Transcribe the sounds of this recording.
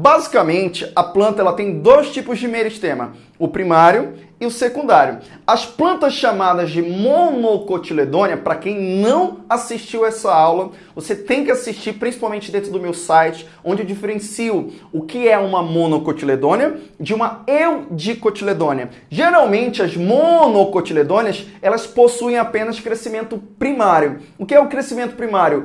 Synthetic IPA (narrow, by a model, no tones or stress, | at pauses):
bazikɐmẽnt͡ʃɪɐplɐ̃nt̪ɐɛlɐt̪ẽj̃d̪ojst͡ʃipʊzd͡ʒɪmejɾʊist̪ẽmɐ̰ | ʊpɾimaɾjʊ | ɪʊsekũnd̪aɾjʊ̰ | ɐsplɐ̃nt̪ɐsʃamad̪ɐzd͡ʒɪmonokot͡ʃiled̪õniɐpɾɐkẽj̃nɐ̃w̃asiʃt͡ʃiwɛsɐawlɐ | voset̪ẽj̃kɪasiʃt͡ʃiɾpɾʲĩsi̥pawmẽnt͡ʃɪd̪ẽnt̪ɾʊd̪ʊmewsajt͡ʃɪ̥ | õnd͡ʒɪewd͡ʒifeɾẽsiʊʊkɪɛũmɐmõnokot͡ʃiled̪õnɐd͡ʒɪũmɐewd͡ʒikot͡ʃiled̪õniɐ | ʒeɾawmẽnt͡ʃɪɐzmonokot͡ʃiled̪õniɐsɛlɐsposuẽj̃apẽnɐskɾesimẽnt̪ʊpɾimaɾjʊ | ʊkɪɛʊkɾesimẽnt̪ʊ̥pɾimaɾjʊ